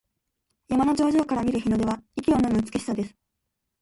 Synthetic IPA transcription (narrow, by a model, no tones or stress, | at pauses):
jamano̞d͡ʑo̞ːʑo̞ːkaɾamʲiɾɯ̟çʲinod̪e̞βaikʲiononɯt͡sɨ̥keɕi̥sad̪e̞sɨ̥